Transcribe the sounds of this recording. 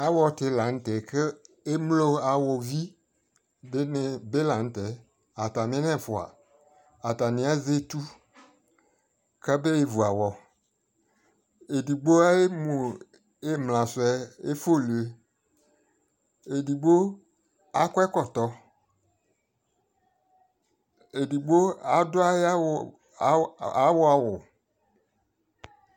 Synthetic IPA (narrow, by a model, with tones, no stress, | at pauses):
a˦wɔ˨t̪e˨la˨ŋ̩˦t̪ɛ˨kʰe˦ | e˦mlo˦a˨wɔ˨vi˦ | be˦ne˨be˦la˨ŋ̩˦t̪e˨ | a˨t̪a˨mẽ˦nɛ̃˦˨fo˨a̰˨ | a˨t̪a˨nĩ˨˦a˦ze˦t̪u˦ | kɛ˦be˦e˨vu˨a˨wɔ˨ | e˨du˨ɡ͡bo˦a˦e˦mũ˨ | e˦mlã˨sʊ˨ɛ˦e˦fo˦˨lu˨e˨ | e˨di˨ɡ͡bo˦ | a˦kɛ˦kɔ˨tɔ˨ | e˨di˨ɡ͡bo˦a˨dʊ˦a˦j | a˨˦wʊ˦a˨wʊ˨